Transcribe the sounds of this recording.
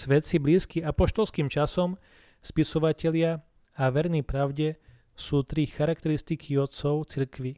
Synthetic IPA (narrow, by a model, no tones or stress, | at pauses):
sʋɛt̪sibliːskiapɔʃt̪ɔlskiːmt͡ʃasɔm | spisɔʋacɛʎɪa | aʋɛɾnipɾaʊɟɛ | suːt̪ɾixaɾak̚t̪ɛɾist̪ikʰiɔt̪sɔʊt͡siɾkʋi